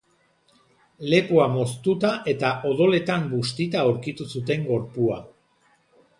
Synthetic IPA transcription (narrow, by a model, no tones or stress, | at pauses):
le̞puamo̞st̪ut̪aʔe̞t̪aʔo̞ðo̞le̞t̪ambust̪it̪aowɾkit̪usut̪e̞ŋɡo̞ɾpua